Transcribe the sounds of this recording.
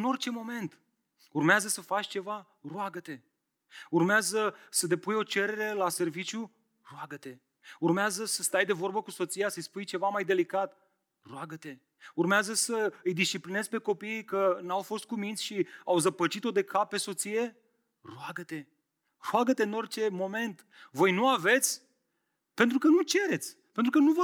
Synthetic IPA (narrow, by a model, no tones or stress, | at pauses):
ɨno̞rt͡ʃe̞mo̞me̞nt̪ | urmeazəsəfat͡ʃʲt͡ʃe̞va | roaɡət̪e̞ | urmeazəsət̪e̞pujo̞t͡ʃe̞ɾe̞ɾe̞lase̞rvit͡ʃju | roaɡət̪e̞ | urmeazəsəst̪ajd̪e̞vo̞rbəkuso̞t̪sijasəjspujt͡ʃe̞vamajd̪e̞likat̪ | roaɡət̪e̞ | urmeazəsəɨjd̪ist͡ʃipline̞zpe̞ko̞piːkənawfo̞st̪̚kumint̪sʲʃiawzəpət͡ʃit̪o̞d̪e̞kʰappːe̞so̞t̪sije̞ | roaɡət̪e̞ | roaɡət̪e̞ɨno̞rʲt͡ʃe̞mo̞me̞nt̪ | vo̞jnuave̞t̪sʲ | pe̞nt̪ɾukənut͡ʃe̞ɾe̞t̪sʲpe̞nt̪ɾukənuvə